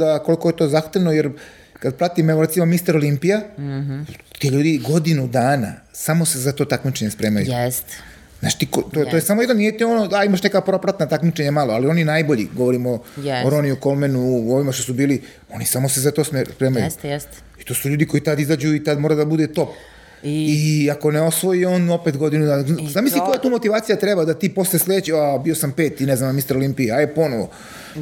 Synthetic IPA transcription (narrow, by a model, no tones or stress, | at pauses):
d̪ako̞liko̞jet̪o̞ːzaxt̪eʋnojeɾ | kad̪̚pɾat̪imeʋoɾe̞t̪simo̞mist̪aɾolimpija | t̪iʎuːd̪iɡo̞d̪inud̪aːna̰ | samo̞se̞zat̪o̞ːt̪akmit͡ʃe̞ɲespɾe̞ːmajust̪ | za̰ːt͡ʃi̥t̪ikot̪oojesamojɛd̪nomnijet̪ionoaimaʃne̞kapɾo̞pɾat̪nat̪akmit͡ʃeɲamaloalio̞ninajbo̞ʎḭɡo̞ʋo̞ɾimoɾoniuko̞lmenuo̞ʋimaʃt̪osubiːli | onisamo̞sezat̪osespɾe̞ːmajṵ | i̥t̪o̞ːsuʎuːd̪iko̞it̪ad̪izad͡ʑuit̪ad̪moːɾad̪abud̪et̪o̞p̚ | iakoneo̞sʋo̞jio̞ːno̞pet̪ɡo̞d̪inud̪azamisliko̞jat̪uːmot̪iʋaːt̪sijat̪ɾebad̪at̪iːpo̞slesʎʲed̪et͡ɕiabio̞sampe̞ːt̪ineznamnmist̪aɾolimpiiajepo̞noʋo̰